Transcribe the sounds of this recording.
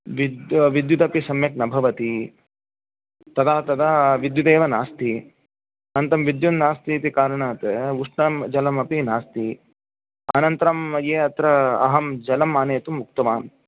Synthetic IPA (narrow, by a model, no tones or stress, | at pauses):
ʋid̪ʋid̪jut̪ɐpisɐmjɐk̚nɐbʱɐʋɐt̪i | t̪ɐd̪aːt̪ɐd̪aʋid̪jud̪eːʋɐnaːst̪ʰi | ɐnt̪ɐmʋid̪junnaːst̪it̪ikaːɾɐɳaːt̪uʂɳɐmd͡ʒɐlɐmɐpinaːst̪i | ɐnɐnt̪ɐɾɐmɐjeːɐt̪ɾɐɐ̰ɦɐmd͡ʒɐlɐmaːneːt̪umːuk̚t̪ɐʋaːn